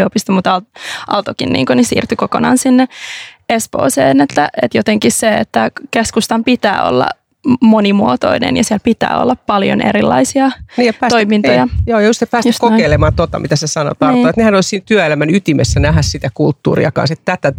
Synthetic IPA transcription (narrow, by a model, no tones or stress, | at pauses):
opist̪ɑmut̪ɑlʔɑlt̪okinnḭːŋkonisḭːrt̪ykokonɑːnsinːeespo̰ːseːnet̪ːæʔet̪jot̪eŋkisseet̪ːækeskust̪ɑmpit̪æ̰ːo̰lːɑ̰ | monimuot̪o̰inḛnjɑsiælpit̪æ̰ːo̰lːɑppɑljo̰nḛɾilːɑ̰isiɑniːepæːt̪oimint̪ojɑjoːjɑjust̪sepæːsjuskokeilemɑːnt̪ot̪ɑmit̪æsesɑno̰t̪ɑrːoːet̪nehænoissiːnt̪yæelæmænyt̪imesːænæhæssit̪ækult̪ːṵːɾḭɑkɑ̰nset̪t̪æt̪æ